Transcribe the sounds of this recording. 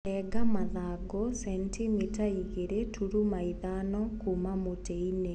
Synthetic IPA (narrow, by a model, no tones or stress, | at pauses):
ɛɡamaðaɡɔsɛntimitaiɣeɾetʰuɾumaiðanɔkumamoteine